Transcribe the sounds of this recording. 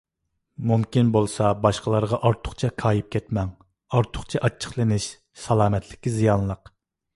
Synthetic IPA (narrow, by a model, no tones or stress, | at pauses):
mumkʲinbolˠsɑbɑʃqəlˠɑɾʁɑʔɑɾt̪ʰʊχt͡ʃʰɛkʰɑːjip̚kʲʰɛt̪mɛŋ | ɑɾt̪ʰʊ̥qt͡ʃʰɛʔɑt͡ʃʰːə̥χlˠɨnɪʃ | sɑlˠɑːmɛt̪ʰlɪkʲːizijɑnlˠəq